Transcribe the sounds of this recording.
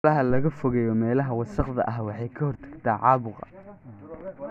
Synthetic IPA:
lɐɦɐlɐɣɐfɔɣɐjɔmɛːlɐɦɐwɑsɑqðɐ̰ʔɐɦwɑħɑjkʰɐhɔrt̪ʰɐ̥ɡt̪ʰaːʕɑːβʊqɑ̰

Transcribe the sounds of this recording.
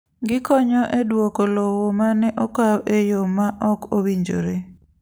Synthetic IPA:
ɡɪkɔɲɔʔedwokolɔwomanɛʔɔkawʔejomaʔɔkowiɲd͡ʒo̰ɾe

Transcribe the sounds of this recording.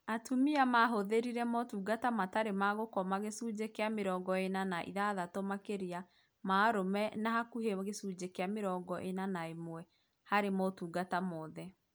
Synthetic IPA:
atumiamaɦoðeɾiɾɛmɔtuːɡatamataɾemaɣokɔmaɣesuːd͡ʑekeameɾɔːɡɔenanaʔḭðaðatomakeɾia | maɾomɛnahakuɦeɣesuːd͡ʑekeameɾɔɡɔʔenanaemwɛ | haɾemɔtuːɡatamɔːðɛ

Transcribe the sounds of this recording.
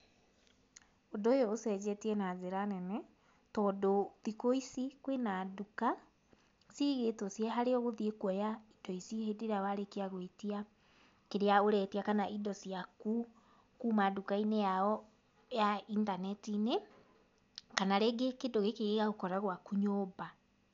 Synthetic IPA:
odojɔosɛd͡ʑɛtiɛnazeɾanɛnɛ | tɔdoðikoisikwenaduka | siɣetosjɛɦaɾeɔɣoðiekwɔjaidɔisihedeɾawaɾekeaɣwetia | keɾeaoɾɛtiakanaʔidɔsiaku | kumadukainejaɔ | jaintanɛtine | kanaɾeɡekedoɣekeɣeɣaokɔɾaɣwakuɲoːba

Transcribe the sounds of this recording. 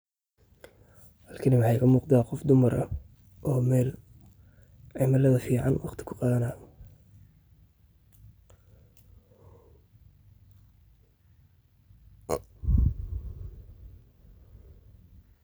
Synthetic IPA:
hɐlkʰɪnɐwɑħɑjkʰɐmuːqd̪aːqɔfd̪ʊmɐɾʔɐ̰ | ʔɔːmɛːl | ʕɪmɐlɐðɐfiːʕɑnwɑqt̪ʰɪ̥kʰʊqɑːðɐnaː

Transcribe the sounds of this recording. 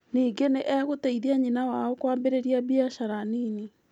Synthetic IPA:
niːɡeneʔɛɣoteiðiaɲinawaɔkwaːmbeɾeɾiabiaʃaɾanini

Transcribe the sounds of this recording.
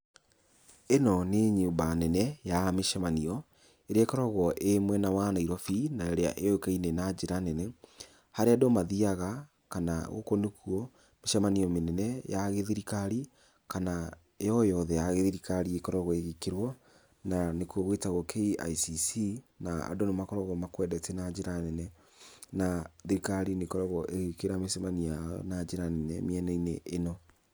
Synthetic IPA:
enɔneɲumbanɛnɛjameʃɛmaniɔ | eɾeakɔɾɔɣɔʔemwɛnawanaiɾwɔfinaeɾea̰ʔeokainenad͡ʒeɾanɛnɛ | haɾeadomaðiaɣa | kanaɣo̰konukʰuɔ | meʃɛmaniɔmenɛnɛjaɣeðiɾikaɾi | kana | ejɔjɔðɛjaɣeðiɾikaɾiekɔɾɔɣɔeɣekeɾwɔ | nanekwɔɣwetaɣɔkʰeia̰isisinaa̰donemakɔɾɔɣɔmakwɛdɛtɛnad͡ʒeɾanɛnɛ | naðiɾikaɾinekɔɾɔɣɔʔeɣekeɾameʃamaniaɔ̰nad͡ʒeɾanɛnɛ̰miɛnɛineʔːnɔ

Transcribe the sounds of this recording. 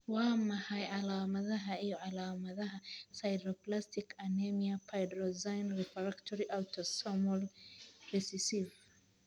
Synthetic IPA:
waːmɐhajʕalaːmɐðɐɦɐijɔʕalaːmɐðɐɦɐsajdɾɔplastikanemiapʰajdɾɔzajnɾɛpɐɾaktɔɾiʔawtʰɔsɔmɔlrisisiv

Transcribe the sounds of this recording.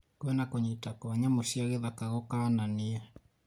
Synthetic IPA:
kwɛnakoɲitakoaɲamoʃiaɣeðakaɣɔkaːnaniɛ

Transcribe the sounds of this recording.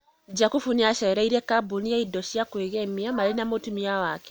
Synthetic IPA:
d͡ʒakufuniaʃeɾaiɾekabunijeidoʃijakweɣemiamalinamotumijawaːke̥

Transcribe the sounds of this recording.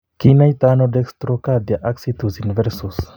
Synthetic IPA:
kinajt̪anod̪ekst̪ɾokad̪jaʔaksit̪usinvɛɾsus

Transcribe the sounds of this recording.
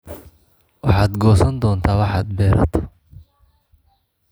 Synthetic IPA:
wɑħɑːd̪ɡɔːsɐnd̪ɔːnt̪ʰaːwɑħɑːd̪̚bɛːɾɐ̰t̪ʰɔ̥

